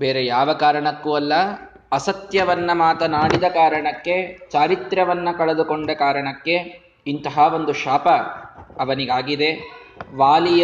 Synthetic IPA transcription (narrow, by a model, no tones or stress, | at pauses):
beːɾejaːʋɐkaːɾɐɳɐkːuɐlːɐ | ɐsɐt̪jɐʋɐnːɐmaːt̪ɐnaːɽid̪ɐkaːɾɐɳɐkːe̞t͡ʃaːɾit̪ɾɐʋɐnːɐkɐɭɐd̪uko̞ɳɖɐkaːɾɐɳɐkːe̞ | int̪ɐɦaʋo̞nd̪uʃaːpɐɐʋɐniɡaːɡid̪e̞ʋaːlijɐ